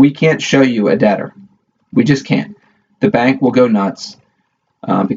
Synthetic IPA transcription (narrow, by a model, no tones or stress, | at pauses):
wikʰæ̃ntʃoʊjɨɨ̰dɛɾə̰˞ | wid͡ʒʌskʰæ̰̃n | ðɨbæ̃ŋkwəlˠɡoʊnʌts | bɨ